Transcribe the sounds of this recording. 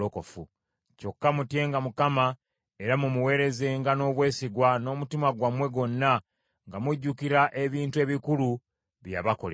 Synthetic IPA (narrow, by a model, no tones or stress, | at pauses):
oko̞fu | co̞kːamutje̞ːŋɡamukama | e̞ɾamumuwe̞ːɾe̞ze̞ːŋɡano̞ːβwe̞ːsiɡwano̞ːmutimaɡwamwe̞ɡo̞nːa | ŋɡamiɟːukiɾaʔe̞βiːntue̞ːβikulu | βja̰βako̞̰le